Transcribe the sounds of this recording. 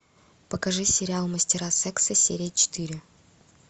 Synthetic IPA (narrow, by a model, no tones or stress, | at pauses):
pəkɐʐɨsʲɪɾʲɪalˠməsʲtʲɪɾasɛksəsʲeɾʲɪjət͡ɕɪ̥t̪ɨɾʲɪ